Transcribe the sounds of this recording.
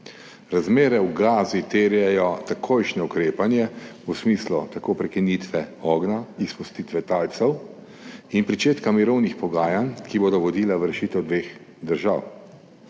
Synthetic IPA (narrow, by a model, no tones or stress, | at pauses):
ɾazmeːɾɛwɡaːzit̪eːɾjɛjɔt̪akʰojʃnɛukɾeːpanjɛusmiːslut̪akoːpɾɛkinit̪ʋɛɔːɡnaispust̪iːt̪ʋɛt̪aːlt̪sɛw | inpɾit͡ʃeːt̪kamiɾɔwnixpɔɡaːjankiboːd̪ɔʋɔd̪iːlaʋɾɛʃiːt̪ɛwd̪ʋeːx | d̪əɾʒa̰w